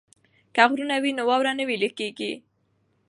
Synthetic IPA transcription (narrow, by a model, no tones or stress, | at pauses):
kaɣɾunawinowɑwɾanəwiləkeɡi